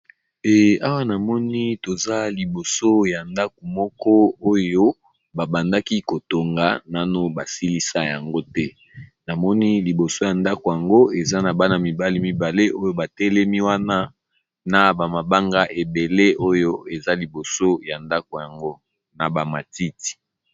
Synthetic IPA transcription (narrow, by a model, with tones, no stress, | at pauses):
e˨a˦wa˦na˨mɔ˦ni˦to˨za˦li˨bo˨so˦ja˨nda˦k̚o˨mɔ˦kɔ˦o˦jo˦ | ba˨ba˨nda˦ki˦ko˨to˨ŋɡa˨na˦no˦ba˨si˦li˦sa˦ja˨ŋɡo˦tɛ˦ | na˨mɔ˦ni˦li˨bo˨so˦ja˨nda˦ko˨ja˨ŋɡo˦e˨za˦na˨ba˦na˨mi˨ba˦li˦mi˦ba˨le˦ʔo˦jo˦ba˨tɛ˦lɛ˦mi˦wa˦na˦ | na˨ba˨ma˨ba˦ŋɡa˦ʔe˨be˨le˦o˦jo˦e˨za˦li˨bo˨so˦ja˨nda˦ko˨ja˨ŋɡo˦ | na˨ba˨ma˨ti˦ti̥˨